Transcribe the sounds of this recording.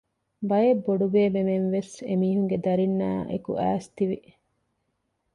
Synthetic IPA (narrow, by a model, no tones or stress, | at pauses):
bɐjebːoɖubeːbemenʋesemiːɦuŋɡed̪ɐɾinːa̰ːʔḛkṵʔæ̰ːst̪iʋi